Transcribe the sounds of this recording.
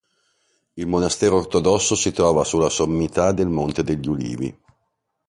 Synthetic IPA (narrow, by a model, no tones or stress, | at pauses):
ilmonast̪ɛːɾoːrt̪od̪ɔsːosit̪ɾɔːvasulːasomːit̪ad̪ːelmont̪ed̪eʎːulḭːvḭ